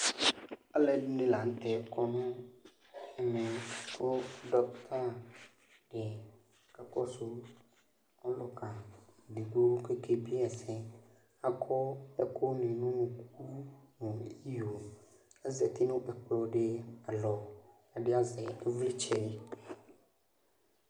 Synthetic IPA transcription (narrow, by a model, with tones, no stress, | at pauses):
a˦lɛ˨ɖʊ˦nẽ˦la˨n̩˦t̪ɛ˨kʰɔ˦nʊ̃˦ | ɛ˨mɛ̃˨o˦ɖɔ˦t̪ʰa˦ | ɖ̥e˨ | ka˦kɔ˦sʊ˦ | ɔ˦lɔ˦ka˨d̪i˨ɡ͡bo˦ke˦kʰe˦bi˦ɛ˨sɛ̃˦ | a˦kʰɔ˦ɛ˦kʰɔ˦nĩ˨nũ˦nũ˨ku˦nʊ̃˨i˦jo˨ | ɛ˦zɛ˨t̪i˦nʊ̃˦ʔɛ˨k͡plɔ˨ɖe˦a˨lɔ˨ | a˨ɖɪ˦a˦zɛ˨ɛ˦vli˦t͡ʃʰɛ˦di˦